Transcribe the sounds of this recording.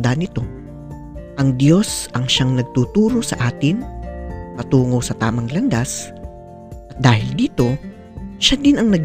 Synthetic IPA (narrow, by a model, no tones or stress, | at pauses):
d̪anɪt̪o̞ | ʔɐŋd̪jo̞sʔɐŋʃaŋnɐɡ̚t̪uːt̪uːɾo̞sɐ̰ʔaːt̪ɪnmɐt̪uːŋo̞wsɐt̪aːmɐŋlɐnd̪as | ʔɐt̪̚d̪aːhɪld̪iːt̪o̞ | ʃad̪ɪnɐŋnɐɡ